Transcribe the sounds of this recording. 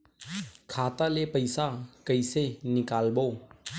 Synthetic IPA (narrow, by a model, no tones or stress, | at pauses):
kʰaːt̪alepəɪsakəisenɪkaːlboː